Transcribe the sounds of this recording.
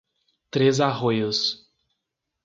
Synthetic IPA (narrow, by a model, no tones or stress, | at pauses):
t̪ɾezaɦojʊs